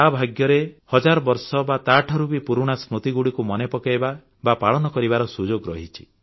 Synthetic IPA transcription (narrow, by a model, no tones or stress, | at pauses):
abʱaɡjɔɾehɔd͡ʒaɾɔbɔɾsɔbat̪aʈʰɔɾubipuɾuɽ̃asɾut̪iɡuɽikumɔnepɔkajba | bapaɭɔnɔkɔɾibaɾɔsud͡ʒoɡɾɔɦit͡ʃʰi̥